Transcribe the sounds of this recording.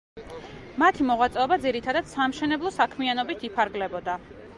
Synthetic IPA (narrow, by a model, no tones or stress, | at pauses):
mat̪ʰimɔʁwat̪sʼɛɔbad̪ziɾit̪ʰad̪ad̪̥samʃɛnɛblˠɔsakʰmianɔbit̪ʰipʰaɾɡlɛbɔd̪a